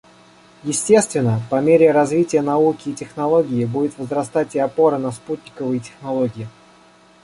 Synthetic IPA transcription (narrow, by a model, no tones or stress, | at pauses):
jɪsʲtʲe̞st̪vʲɪnːəpɐmʲeɾʲɪɾɐzvʲitʲɪjənɐukʲɪːtʲɪxnɐlˠo̞ɡʲɪɪbudʲɪt̪vəzɾɐst̪atʲɪɐpo̞ɾənɐsput̪ʲnʲɪkəvɨjɪtʲɪ̥xnɐlˠo̞ɡʲɪɪ